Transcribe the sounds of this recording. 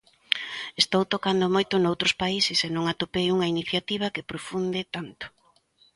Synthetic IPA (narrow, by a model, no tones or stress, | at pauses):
est̪owt̪okand̪omojt̪ʊnowt̪ɾʊspaisɪsenõŋat̪opejuŋɐiniθjat̪iβ̞ɐkepɾofund̪ɪt̪ant̪ʊ̥